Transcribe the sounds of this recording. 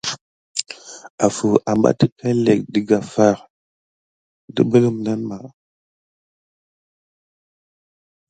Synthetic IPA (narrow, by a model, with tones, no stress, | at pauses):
a˨fu˨ʔa˨mba̰˦ti˦kʰa˦le˨k̚di˨ɡa˨fa˦˨ɾ | də̰˦bə˦lə˦mna˦nma˨